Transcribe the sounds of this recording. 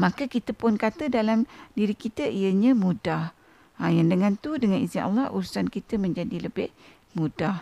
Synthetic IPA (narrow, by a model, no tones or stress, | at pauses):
makəkit̪əpʊnkat̪ədalamdiɾikit̪əʔijəɲə̃mudah | ajaŋdəŋant̪udəŋanist̪inʔa̰lːɑhʔuɾusankit̪əmə̃ɲd͡ʒadiləbɪh | mudah